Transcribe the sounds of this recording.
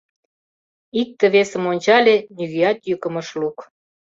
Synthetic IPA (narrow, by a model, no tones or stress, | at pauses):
ik̚t̪ə̆βesə̆monʲt͡ɕɑlʲenyɣeɑt̪jøkə̆məʃluk